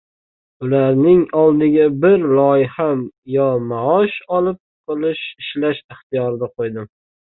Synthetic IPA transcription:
ʊlaɾnɪŋɒlˠd̪ɪɡʲabɪɾlɒjɪhamjɒmaɒʃɒlˠɪp̚qʰɨlˠɪʃɪʃlaʃɪχt̪ɪjɒɾɪd̪aqʰojd̪ɪm

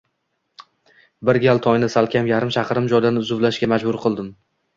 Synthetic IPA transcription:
bɪɾɡʲalˠt̪ʰɒjnɪsalˠkʲʰamjaɾɪmʃaqɾɪmd͡ʒɒjd̪anʊzʊvlaʃɡʲamad͡ʒbʊɾqʰɨlˠd̪ɪm

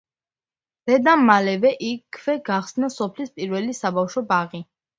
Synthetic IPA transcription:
d̪̥ɛd̪amːalɛvɛʔikʰːvɛɡaχsnasɔpʰlispʼiɾvɛlisabafʃɔbaʁi

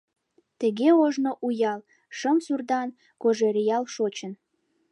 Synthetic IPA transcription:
t̪əɣeoʒnoʔujɑl | ʃəmsurd̪ɑn | koʒeɾijɑlʃot͡ɕən

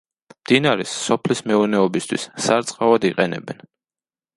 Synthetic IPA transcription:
md̪̥inaɾɛsːɔpʰlismɛuɾnɛɔbist̪ʰwḭssaɾt̪sʼqʼavad̪iqʼɛnɛ̰bɛn

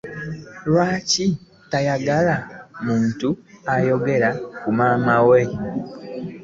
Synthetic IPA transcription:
lwaːci | tajaɡalamuːntuajo̞ɡe̞ɾakumaːmawe

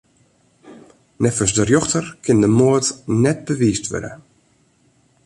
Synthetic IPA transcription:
nɛfəsdərjɔxtərkʰɪndəmoətnɛt̚bəʋiːstʋø̰də̰

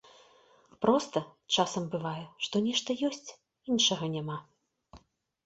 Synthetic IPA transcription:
pɾɔst̪ɐt͡ʂasɐmbɨvajɛʂt̪ɔnʲɛʂt̪ɐjɔsʲt͡sʲ | inʂɐɣɐnʲama

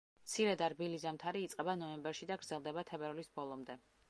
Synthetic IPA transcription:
t̪sʰiɾɛd̪aɾbilizamt̪ʰaɾiːt̪sʼqʼɛbanɔɛmbɛɾʃid̪aɡɾd̪zɛlˠd̪ɛbat̪ʰɛbɛɾlisbɔlˠɔmd̪ɛ

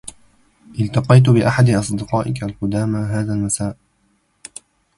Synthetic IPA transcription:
ʔɪlt̪ɑqɑjt̪̬ʊbɪʔaħad̪ɪʔɑsˤd̪ɪqɑːʔɪkalqʊd̪aːmaɦaːðalmasaːʔ

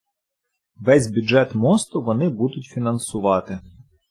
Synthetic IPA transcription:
ʋɛsʲbʲʊd͡ʒɛt̪mɔst̪ʊʋɔnɪbud̪ʊtʲfʲinɐnsʊʋɑt̪ɪ

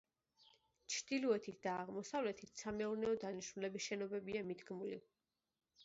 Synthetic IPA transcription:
t͡ʃʰɾd̪̥iluɛt̪ʰit̪̚ʰd̪̥aːʁmɔsavlɛt̪ʰit̪ʰsamɛuɾnɛɔd̪aniʃmulɛbisʃɛnɔbɛbiamid̪ɡmulḭ

